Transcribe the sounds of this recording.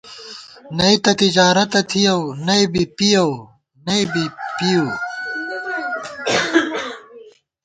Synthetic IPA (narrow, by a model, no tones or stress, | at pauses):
nɐit̪ɐt̪id͡ʑaːɾɐt̪ɐt̪ʰijɐwnɐibipijɐw | nɐibipiju